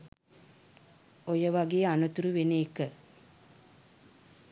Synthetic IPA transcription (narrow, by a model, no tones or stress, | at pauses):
ojəʋaɡeːanut̪uɾuʋeneːkə